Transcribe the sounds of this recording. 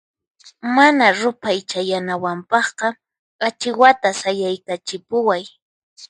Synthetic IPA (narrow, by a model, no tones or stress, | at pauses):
manaɾʊpajt͡ʃajanawampɑχqɑ | at͡ʃɪwat̪asajajkat͡ʃɪpʊwaj